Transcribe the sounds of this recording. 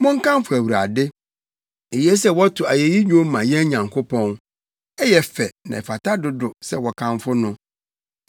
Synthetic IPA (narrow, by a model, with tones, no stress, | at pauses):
mʊ̃˦ŋ˦kʰã˦mfʊ˨æ˨wu˨ɾa̰˨dɪ˦ | e˨jɛ˦s̬ɛ˦wɔ˦tʰʊ˨a˨jɛ˨ji˦ɲᶣũ˦mã˨jɛ̃˦ɲã˨ŋkʰo˦pʰɔ̃˦n | ɛ˦jɛ˦fɛ˨nã̰˨ɛ˨fa˨tʰa˦dʊ˦dʊ˨sɛ˦wɔ˨kʰã˦ɱfʊ˦nʊ̃˦